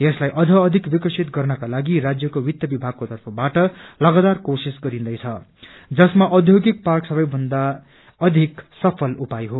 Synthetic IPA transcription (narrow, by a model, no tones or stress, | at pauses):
jeslajʔʌd͡zʱʌːd̪ʱikbikʌsʰit̪ɡʌrnʌkalaɡirad͡zjʌkowit̪jʌbibʱaɡ̚kot̪ʌrpʰʌbaʈʌlʌɡat̪arkosisɡʌɾĩnd̪ʌjt͡sʰʌ | d͡zʌsmaʔʌd̪ʱjoɡik̚parksʌbʌjbʱʌnd̪a | ʌd̪ʱiksʌpʰʌlupajɦo